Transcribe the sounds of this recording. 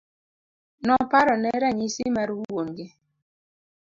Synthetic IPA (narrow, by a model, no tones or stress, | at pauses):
nɔpaɾɔnɛɾaɲisimaɾuuwonɡɪ